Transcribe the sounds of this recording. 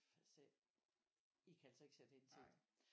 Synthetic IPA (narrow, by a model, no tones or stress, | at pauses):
fæse | ikʰæælsɒe̝ɡ̥sed̥eent͡sʰe̥d̥